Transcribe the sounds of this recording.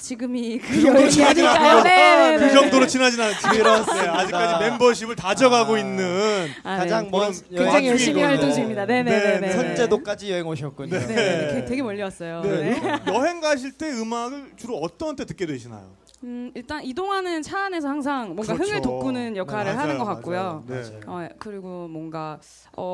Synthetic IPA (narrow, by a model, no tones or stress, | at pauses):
t͡ɕiɡɯmikɯet͡ɕinad͡ʑinaneeɯt͡ɕʌŋdoɾot͡ɕinad͡ʑinanɯt͡ɕ͈ʰioad͡ʑikk͈aime̞mbʌɕ̬ʰibɯɭtad͡ʑʌɡaɡoinːɯn | kad͡ʑaŋmʌn | ed͡ʑaŋejʌiɕimiaɭt͈oŋɕʰiimɲidane̞neeeet͡ɕʰʌnt͡ɕ͈e̞dok͈ad͡ʑijʌɦeŋoɕʰʌt̚k͈oɲnekʰete̞ɡe̞mʌʎːiwas͈ʌjone̞jʌɦe̞ŋɡaɕ̬ʰiɭt͈e̞ɯmaɡɯɭt͡ɕuɾoʌt͈ʌntʰetɯk͈e̞dweɕʰina̰jo̰ | iɭt͈anidoŋɦanɯnt͡ɕʰaːne̞s̬ʰʌhaŋsʰaŋmwʌŋɡaɦɯŋɯɭtok̚k͈unɯnjʌkʰaɾɯɭɦanɯnɡʌk͈ak͈ojoneakɯɾiɡomwʌŋɡa | ʌ